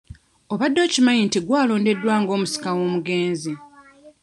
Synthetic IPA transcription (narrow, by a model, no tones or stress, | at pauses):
o̞βadːo̞ːcimajintiɡwaːlo̞ːnde̞dːwaːŋɡo̞ːmusi̥kawo̞ːmuɡe̞ːnzi